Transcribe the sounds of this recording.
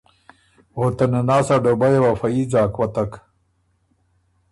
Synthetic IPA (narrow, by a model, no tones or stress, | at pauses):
ɣot̪enenaːsaɖobɐjewafɐiːd͡zaːkwɐt̪ɐk